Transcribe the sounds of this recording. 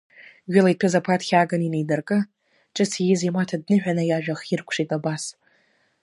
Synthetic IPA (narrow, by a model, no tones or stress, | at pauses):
ɡʲʷɪlaipʰezapʰatʰxʲaːɡaninejdɨrkʼɨ | ʈ͡ʂʼɨt͡sʰijɪzimatʰad̚nɨħᶣanajaʒᶣaχirkʷʰʂitʼabas